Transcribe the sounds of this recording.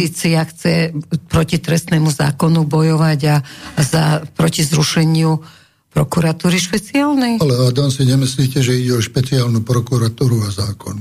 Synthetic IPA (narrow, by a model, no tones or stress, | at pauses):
iːt͡siaxt͡sɛpɾɔcit̪ɾɛst̪nɛmuza̰ːkɔnubɔjɔʋaɟazapɾɔcizɾuʃɛɲɪu | pɾɔkuɾat̪uːɾiʃpɛt͡siaːlnɛjalɛad̪ansiɲɛmisliːcɛʒɛiɟɛɔʃpɛt͡siaːlnupɾɔkuɾat̪uːɾuazaːkɔn